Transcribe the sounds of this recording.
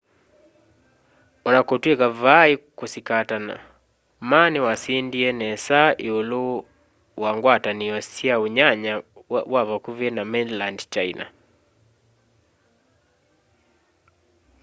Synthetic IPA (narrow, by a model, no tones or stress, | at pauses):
ɔnakotwekavaikosikatana̰ | manewasindiɛnɛsaʔeolo | waŋɡwataniɔsjaoɲaɲawaβakuvjɛnamɛnlandt͡ʃaina̰